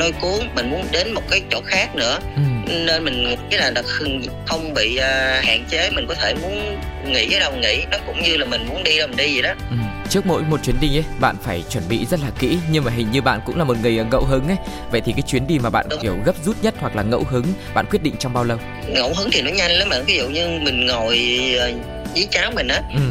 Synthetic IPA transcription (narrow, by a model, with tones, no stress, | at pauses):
ɗo˧jku˨˦ənmï˨˩ŋ̟mu˨˦ənɗe˨˦nmo˨˩t̚kaː˨˦jt͡ɕo̰˧˨˩xaː˦˥k̚nɨ̰˧˥əʔɨ˨˩ne˧nmï˨˩ŋ̟˨˩kaː˨˦jnaː˨˩ɗa˨˩xŋ | xə˧wŋ͡mɓḭ˧˨ʔəː˨˩ha̰ː˧˨nt͡ɕe˨˦mi˨˩ŋ̟kɔ˨˦t̪ʰe˧˩mu˨˦ənŋḭ˧˥kaː˨˦jɗə˨˩ŋḭ˧˥nɔ˨˦kʊ̰˧˥wŋ͡mɲɨ˧laː˨˩mï˨˩ŋ̟mu˨˦nɗi˧ɗa˧˨˩m˨˩nɗi˧i˨˩ɗɔ˨˦ʔɨ˨˩mt͡ɕɨ˦˥ək̚mo̰˧˥jmo˨˩t̚t͡ɕwi˨˩ənɗi˧˩ŋʔə˨˦jɓa̰ː˧˨nfaː˧˩jt͡ɕwə˧˩nɓḭ˧˨zə˦˥t̚laː˨˩kḭ˧˥ɲɨ˧ŋmaː˨˩ɦï˨˩ŋ̟ɲɨ˧ɓa̰ː˧˨nkʊ̰˧˥ŋ͡mlaː˨˩mo˨˩t̚ŋɨ˨˩əjʔəː˨˩ŋə̰˧˨wɦɨ˨˦ŋʔə˨˦və̰˧˨jt̪ʰi˨˩kaː˨˦jt͡ɕwi˨˦ənɗi˧˩maː˨˩ɓa̰ː˧˨n˧i˧˩əwɣə˦˥p̚zu˦˥t̚ɲə˦˥t̚hwa˨˩k̚laː˨˩ŋə̰˧˥wɦɨ˨˦ŋɓa̰ː˧˨nkwt̚ɗḭ˧˨ŋ̟t͡ɕɔ˧wŋ͡mɓaː˧wlə˧w | ŋə̰˧˥wɦɨ˨˦ŋt̪ʰi˨˩nɔ˨˦ɲa˧jŋləː˨˦mɓa̰ː˧˨nvi˨˦zṵ˧˨ɲɨ˧mï˨˩ŋ̟ŋo˨˩jəː˨˩ | ʔi˨˦t͡ɕaː˨˦wmï˨˩ŋ̟ʔaː˨˦ʔm